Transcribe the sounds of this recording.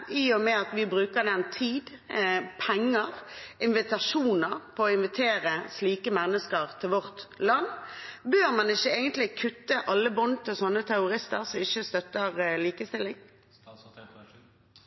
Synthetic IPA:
ʔiːɔmɛɑt̪ʋɪbʁʉːkəɾd̪ɛnt̪ʰiːd̪ | pʰɛŋːəɾɪnʋɪt̪ɑʃuːnəɾpʰɔːɪnʋɪt̪ʰeːɾəsliːkəmɛnːəskəʁt̪ʰɪlʋɔʁt̪lɑnːbøːɾmɑnɪçːəeːɡənt̪lɪkʰʉt̪ːəʔɑlːəbɔnt̪ʰːɪlsɔnːət̪ʰæʊʁɪst̪əɾsɔmɪçːəst̪œt̪ːəʁliːkəst̪ɪlːɪŋ

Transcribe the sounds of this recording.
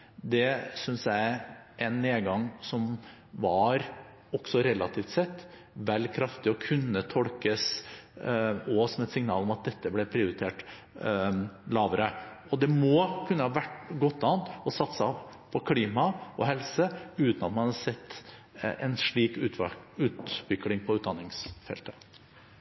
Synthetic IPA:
d̪ɛsʏnsjæɪʔɛnːeːɡɑŋsɔm | ʋɑɾ | ɔksɔɾɛlɑt̪ʰiːft̪sɛt̪ː | ʋɛlkʰɾɑft̪ɪɔkʰʉnːət̪ʰɔlkəs | ɔsɔmɛt̪sɪŋnɑ̰ːlɔmɑt̪̚d̪ɛt̪ːəblɛpʰɾɪʊɾɪt̪ʰeːʈ | lɑːʋəɾə | ɔd̪ɛmɔkʰʉnːəhɑʋæʈːɡɔt̪ːɑːənt̪ɔsɑt̪sppʰɔkʰliːmɑʔɔɦɛlsəʉːt̪nɑt̪mɑnɑd̪sɛt̪ː | ɛ̰nʂɭiːk̪ːʉːt̪ʋʏklɪŋpʰɔʉːt̪d̪ɑnːɪŋsfɛ̰lt̪ə̥

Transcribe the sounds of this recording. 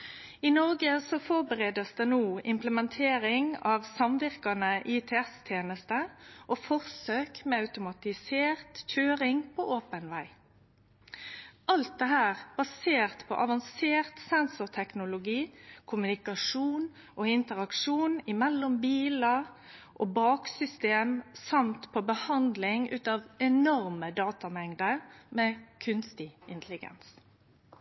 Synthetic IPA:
ɪnɔʁɡəsɔfɔʁbəʁeːd̪əsd̪ɛnuːɪmpləmɛnt̪ʰeːɾɪŋɑʋsɑmʋɪʁkɑnəʔɪt̪ʰɛɛst̪ʰjeːnəst̪əʔofɔʁsøːkmɛːɑʉt̪ʊmɑt̪ɪseːʁt̪c͡çʰøːɾɪŋpʰoːʔoːpənʋæɪ | ʔɑlt̪̚d̪ɛɦæːʁb̥ɑseːʁt̪pʰɔ̰ʔɑʋɑnseːʁt̪sɛnsʊʁt̪ʰɛknʊlʊɡiːkʰʊmʉnɪkɑʂuːn | ʔoɪnt̪əʁɑkʂuːnɪmɛlːɔmbiːlɑ | ʔobɑːksʏst̪eːmsɑmt̪pʰɔbəhɑnd̪lɪŋʉːt̪ɑʋɛnɔʁməd̪ɑːt̪ɑmɛŋd̪əʁmɛːkʰʉnst̪ɪɪnt̪ʰlɪɡɛ̰ns

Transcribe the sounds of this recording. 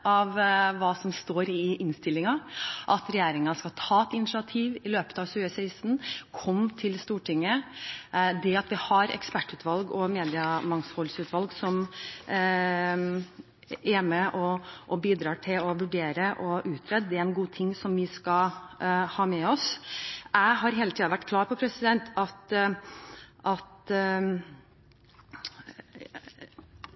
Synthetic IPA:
ɑʋʋɑːsɔmst̪oːɾɪʔɪnst̪ɪlːɪŋɑʔɑt̪ɾɛjeːɾɪŋɑskɑt̪ʰɑːɛt̪ɪnɪʂɑt̪ʰiːʋɪløːpət̪ɑʋɕʉːəsɛɪst̪n̩kʰɔmːt̪ʰɪlst̪uːʈʰɪŋːə | d̪ɛɑt̪ʋɪhɑɾɛ̰kspæʈːʉːt̪ʰʋɑlɡɔmeːd̪ɪɑmɑŋshɔlsʉːt̪ʋɑlɡsɔm | ʔɛmɛʔɔɔbiːd̪ɾɑːʈʰɪlɔʋʉɖeːɾəʔɔʔʉːt̪ʰɾɛd̪d̪ɛææɪnɡuːt̪ʰɪŋːsɔmʋɪskɑ | hɑːmɛɔsʔæɪɦɑɾɦeːlət̪iːɑʋæʈːkʰlɑːɾpʰɔpʰɾɛsɪd̪ɛnt̪ɑt̪ | ʔɑt̪

